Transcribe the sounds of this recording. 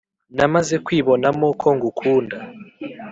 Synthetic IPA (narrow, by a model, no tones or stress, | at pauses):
namazɛkʰwiβɔnamɔkʰɔŋɡukʰuːnda